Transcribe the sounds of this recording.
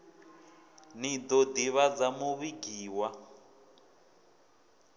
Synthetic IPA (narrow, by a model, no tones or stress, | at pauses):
nid̪odiβad͡zamuβiɡiːwa